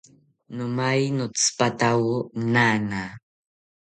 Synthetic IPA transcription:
nʊmajnʊt͡spat̪awʊnana

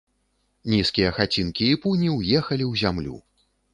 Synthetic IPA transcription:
nʲiskʲijɐxat͡sʲinkʲiːpunʲiwjɛxɐlʲiwzʲamlʲṵ

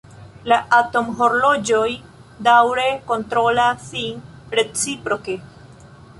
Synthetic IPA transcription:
laʔato̞mɦo̞ɾlo̞d͡ʒo̞j | dawɾe̞ko̞ntɾo̞lasinɾe̞t͡sipɾo̞ke̞

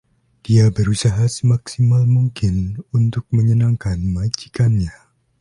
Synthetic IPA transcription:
d̥iabəɾusaɦasəmaksimalmuŋkɪnunt̪ʊk̚məɲənaŋkanmad͡ʒi̥kanɲa

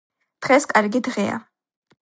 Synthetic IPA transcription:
d̪̥ʁɛskʼaɾɡid̪ʁɛa̰

